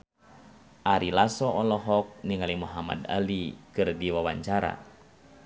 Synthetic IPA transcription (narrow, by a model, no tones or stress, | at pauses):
ʔaɾilasɔɔnlɔɦɔk̚niŋalimuɦama̰da̰likɨrdiwawaɲt͡ʃaɾa̰